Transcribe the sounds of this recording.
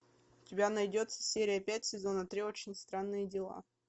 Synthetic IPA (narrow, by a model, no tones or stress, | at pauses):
ʊtʲɪbʲanɐjdʲo̞t̪sə̥sʲeɾʲɪjəpʲæt̚ʲsʲɪzo̞nət̪ɾʲio̞t͡ɕɪnʲst̪ɾanːɨjədʲɪlˠa̰